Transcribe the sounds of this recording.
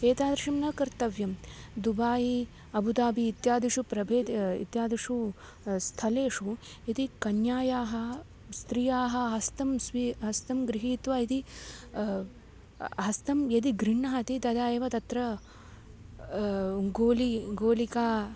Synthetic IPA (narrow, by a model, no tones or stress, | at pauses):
eːt̪aːd̪ɾɐʂɐmnɐkɐɾt̪ɐʋjɐmd̪ubaːji | ɐbud̪aːbiːt̪jaːd̪iʂupɾɐbʱeːd̪ḭt̪jaːd̪iʂu | st̪ʰɐleːʂu | et̪ikɐnjaːjaːɦɐ | st̪ɾijaːɦɐ̆ɦɐst̪ɐmsʋiɦɐst̪ɐmɡɾiɦiːt̪ʋaːit̪i | ɦɐst̪ʰɐmjɐd̪iɡɾiɳːɐɦɐt̪it̪ɐd̪aːjeːʋɐt̪ɐt̪ɾɐ | ɡoːliɡoːlikaː